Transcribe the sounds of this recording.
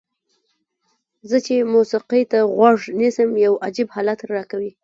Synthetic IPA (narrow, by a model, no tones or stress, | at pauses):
zət͡ʃemusiqit̪aɣwaʐnisəmjawad͡ʒibhɑlat̪ɾɑkawi